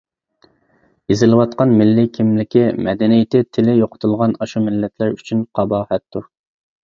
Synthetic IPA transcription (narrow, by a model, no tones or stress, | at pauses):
jezɪlˠɨwɑt̪̚qɑnmɪlːɪkʲʰimlɪkʲimʔɛ̰d̪ɛnijɪt̪ɪt̪ʰɪlɪjoqʰʊ̥t̪ʰulˠʁɑnɑʃumɪlːɛt̪ʰlæɾyt͡ʃʰynqʰɑbɑːhɛt̪ːuɾ